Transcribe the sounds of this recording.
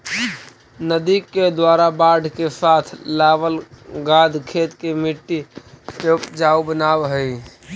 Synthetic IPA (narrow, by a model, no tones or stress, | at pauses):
nəd̪ikːed̪waɾabaɖʱkesat̪ʰlabəlɡad̪ʱkʰet̪kemiʈːisepd͡ʒaubənabɦəj